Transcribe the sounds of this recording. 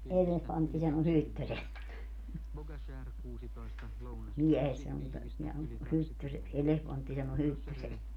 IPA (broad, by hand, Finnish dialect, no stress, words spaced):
elehʋɑntːi sɑno hytːøseks miɛhestæ mutːɑ neæ on hytːyseks elehʋɑntːi sɑno hytːyseks